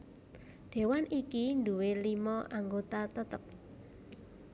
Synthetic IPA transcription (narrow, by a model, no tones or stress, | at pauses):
ɖ̪̥e̤wanʔikind̪uwelimɔʔaŋɡot̪at̪ət̪əp̚